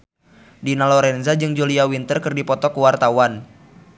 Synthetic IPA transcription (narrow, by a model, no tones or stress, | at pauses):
dinalɔɾɛnzad͡ʒɨŋd͡ʒuliawint̪ərkɨrdipɔt̪ɔkuwart̪awan